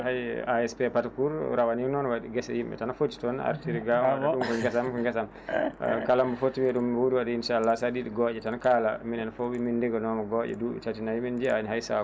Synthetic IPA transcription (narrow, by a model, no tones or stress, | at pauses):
hajaɛspɛpatakuɾɾawaninɔnwaɗiɡɛsɛ̰jimɓɛ̰tanafotːi̥tɔna̰ɾtiɾiɡawɗumkɔŋɡɛsamkɔŋɡɛsam | kalambɔfotːibɛɗumwuɾiwadɛinʃaːlːasaɗiɗiɡɔd͡ʒɛtanakalaminɛnfowimindɛɡɔnɔmaɡɔʔɛ̰duɛ̰tatinajimɛnd͡ʒiaɲhajsa